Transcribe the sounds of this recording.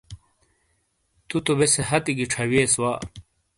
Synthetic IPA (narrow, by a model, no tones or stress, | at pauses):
t̪ut̪obeseɦɐt̪iɡiʈ͡ʂʰɐweːswaː